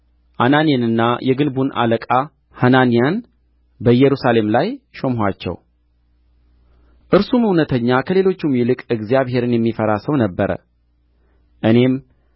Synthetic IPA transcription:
ʔananijenɨnːajɛɡɨnbunʔa̰ləkʼa | hananijan | bəjːɛɾusale̞mlajʃo̞mɦat͡ʃːɛ̰w | ʔɨɾsumɨwnət̪ʰəɲːakʰəle̞lo̞t͡ʃːumjɪlɨkʼɨɡzijaβɦe̞ɾɨnjɛmːifəɾasəwnəbːəɾə̰ | ʔɨne̞m

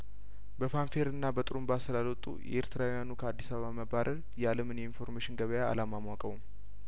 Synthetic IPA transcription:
bəfanfe̞ɾɨnːabət̪ʼɨɾumbasɨlalwɔt̪ʼːṵjʔɛ̰ʔeɾt̪ʰɨɾawujanukʰəad̪ːisaβəβaməbaɾʔəl | jaləmɨnjɛinfo̞ɾmeʃɪnɡəβəjaa̰lamamwakʼəwm

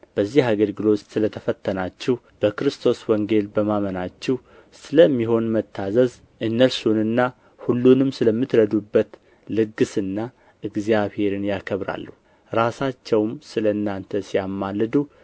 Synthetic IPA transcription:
b̥əzːihaɡəlɡɨlo̞t̪sɨlət̪ʰəfət̪ʰːənat͡ʃːɛh | b̥əkɨɾɨst̪ʰo̞swɔŋɡe̞lbəmamənat͡ʃːɛh | sɨləmːiɦo̞nmət̪ʰːazəz | ʔɨnːəlsunɨnːa | hulːunɨmsɨləmːɨt̪ɾəd̪ubːət̪ | lɨɡɨsɨnːa | ʔɨɡzijaβhe̞ɾɨnjakʰəβɾa̰lːuh | ɾasat͡ʃːɛwmsɨləɨnːant̪ʰəsijamːalːɨd̪u

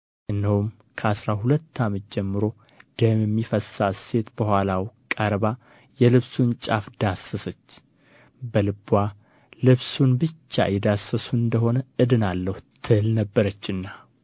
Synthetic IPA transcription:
ʔɨnːəhum | kʰəasɾaɦulət̪ːamət̪̚d͡ʒɛmːɨɾo̞ | d̪̥əmjɛmːifəsase̞t̪b̥əhʷalawkʼəɾβa | jɛlɨβsunt͡ʃʼafd̪asəsət͡ʃː | bəlɨba | lɨβsunbɨt͡ʃːa̰jɛd̪asːəsuɨnd̪əɦo̞nəɨd̪ɨnalːəhut̪ʰːɨlnəbːəɾət͡ʃːɨnːa

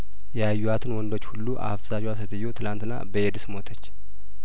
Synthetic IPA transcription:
jɛajːuwat̪ʰɨnwɔnd̪o̞t͡ʃːhulːuʔa̰fzad͡ʒwasət̪ʰəjːot̪ʰɨlant̪ɨnːa̰bəed̪ɨsmo̞t̪ʰət͡ʃː

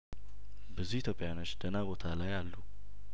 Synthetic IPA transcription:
bɨzihit̪ʰjo̞pʼːjano̞t͡ʃːd̪̥ənabo̞t̪ʰalajalːu

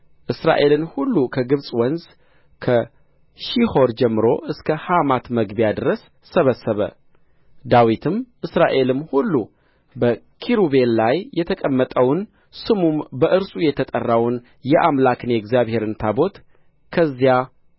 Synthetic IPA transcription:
ʔɨsɾa̰ʔe̞lɨnhulːukʰəɡɨβsʼwənz | kʰə | ʃiho̞ɾd͡ʒɛmːɨɾo̞ʔɨskʰəhamat̪məɡbjad̪ɨɾəsːəβəsːəβə̰ | d̪awit̪ʰɨmʔɨsɾaʔe̞lɨmhulːu | bə | kʰiɾube̞nlajːɛt̪ʰəkʼəmːət̪ʼəwn | sɨmumbəʔɨɾsʼujɛt̪ʰət̪ʼərːawn | jɛʔamlakɨnjɛɡzijaβhe̞ɾɨnt̪ʰabo̞t̪ | kʰəzːija

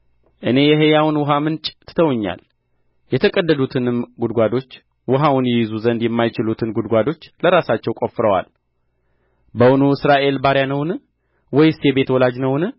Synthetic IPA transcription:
ʔɨne̞jɛɦejawʊnwʊɦamɨnt͡ʃʼt̪ʰɨ̥t̪ʰəwɲːa̰l | jɛt̪ʰəkʼəd̪ːəd̪ut̪ʰɨnɨmɡud̪ɡʷad̪o̞t͡ʃː | wʊɦawʊnjɛjizuzənd̪jɛmːajt͡ʃɪlut̪ʰɨnɡud̪ɡʷad̪o̞t͡ʃːləɾasat͡ʃːɛwkʼofɾəwa̰l | bəwunuɨsɾaʔe̞lbaɾjanəwn | wɔjsjebe̞t̪wɔlad͡ʒnəwnɨ

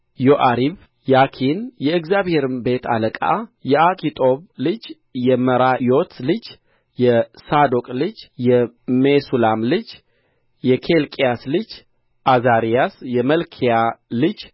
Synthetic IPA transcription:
joʔaɾiβ | jakʰinjɛɨɡzjaβhe̞ɾɨmbe̞t̪ʰa̰ləkʼa̰jɛakʼʰit̪ʼo̞βlɨd͡ʒ | jɛməɾajo̞t̪ʰlɨd͡ʒ | jɛsad̪okʼlɨd͡ʒjɛmesulamlɨd͡ʒ | jɛkʰe̞lkʼijaslɨd͡ʒ | ʔazaɾijasjɛməlkʰijalɨd͡ʒ

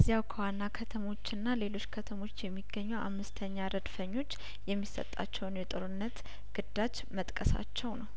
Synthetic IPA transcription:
əzːijawkʰəwanːakʰət̪ʰəmo̞t͡ʃːɨnːale̞lo̞t͡ʃːkʰət̪ʰəmo̞t͡ʃːjɛmːiɡːəɲːɛwʔa̰mːɨst̪ʰəɲːaɾəd̪fəɲːo̞t͡ʃː | jɛmːisːə̰t̪ʼːa̰t͡ʃːɛwnjɛt̪ʼɨɾɨnːət̪ | ɡ̥ɨd̪̥at͡ʃː | mət̪ʼkʼəsa̰t͡ʃːɛwnəw

